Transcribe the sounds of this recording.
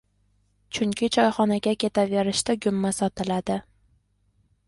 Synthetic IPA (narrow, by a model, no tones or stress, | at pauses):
t͡ʃʰʊŋkʲʰɪt͡ʃʰɒjχɒnaɡʲakʲʰe̞t̪ʰave̞ɾɪʃt̪aɡʲʊmːasɒt̪ʰɪlad̪ɪ